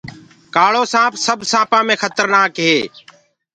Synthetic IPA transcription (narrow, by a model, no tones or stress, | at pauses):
kaːɭoːsãːpʰsəbsãːpãːmẽːxʰət̪əɾnaːkɦeː